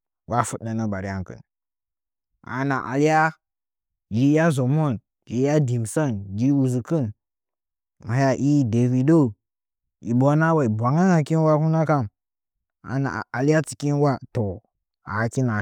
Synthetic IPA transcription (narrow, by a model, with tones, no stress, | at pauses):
wa˦fu˦ɗa˨nə˦ba˨ɾi˦ja˦ŋkɨ̰˨n | a̰˨na̰˨ʔa̰˨lja˦ | d͡ʒi˨˦ja˦zo˨mo˦˨n | ʒi˨˦ja˦di˨msa˦nd͡ʒi˦u˨zi˨kɨ˦n | ma˨ja˨ʔi˦de˨vi˨do˦˨ | i˨bo˨˦na˦wa˨i˨bʷa˨ŋa˦ŋa˨ki˦n˦wa˦ku˦na˦ka˦˨m | a̰˨na̰˨a˨la˦t͡si̥˨ki˦nwa˦to˨ | a̰˨ki˦na˨